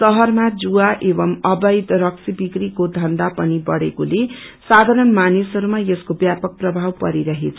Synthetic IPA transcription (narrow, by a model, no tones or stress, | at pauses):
sʌɦʌrmad͡zuaʔebʌmʌbʌjd̪rʌksibikrikod̪ʱʌnd̪apʌnibʌɽekolesad̪ʱaɾʌnmanisʌɾumajeskobjapʌk̚prʌbʱawpʌɾiɾʌɦet͡sʰ